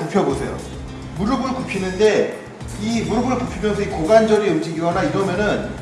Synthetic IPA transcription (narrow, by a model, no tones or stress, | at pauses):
upʰjʌbosʰe̞jo̰ | muɾɯbɯɭkupʰinɯnde̞ | imuɾɯbɯɭkupʰimjʌnsʰʌikoɡand͡ʑʌɾeumd͡ʑiɡiwanaiɾʌmjʌnɯn